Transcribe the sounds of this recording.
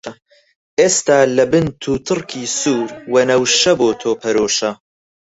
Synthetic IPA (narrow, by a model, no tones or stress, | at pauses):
ʔeːst̪aːlɐbɨnt̪ʰuːt̪ʰɨrkʰiːsuːɾwɐnɐwʃɐboːt̪ʰoːpʰɐɾoːʃɐ